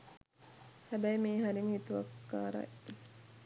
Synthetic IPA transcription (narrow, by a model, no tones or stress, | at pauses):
hæbæimiːɦɐɾiŋit̪uʋɐkːa̰ːɾɐ̰